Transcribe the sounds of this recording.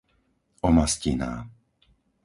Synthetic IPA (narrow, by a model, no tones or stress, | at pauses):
ɔmascina̰ː